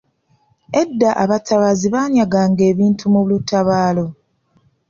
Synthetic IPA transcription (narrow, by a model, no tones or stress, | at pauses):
e̞dːaʔaβataβaziβaːɲaɡaːŋɡe̞ːβiːntʰumuβlutaβaːlo̞